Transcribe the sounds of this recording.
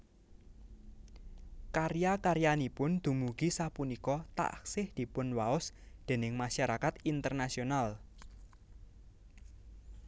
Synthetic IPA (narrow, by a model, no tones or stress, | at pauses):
kaɾjakaɾjanipʊnd̪̥ṳmuɡ̥isapunikɔt̪a̰ʔksɪhd̪̥i̤pʊnwaʊsd̪̥e̤nɪŋmaʃaɾakat̪int̪ərnasional